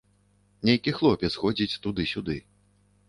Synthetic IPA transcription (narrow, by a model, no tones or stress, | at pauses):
nʲejkʲixlˠɔpʲɛt̪sxɔd͡zʲit͡sʲt̪ud̪ɨsʲud̪ɨ